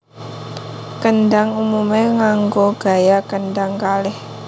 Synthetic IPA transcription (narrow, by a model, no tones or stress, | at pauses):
kənɖaŋumumeŋaŋɡoɡ̥a̤jakənɖaŋkalɪh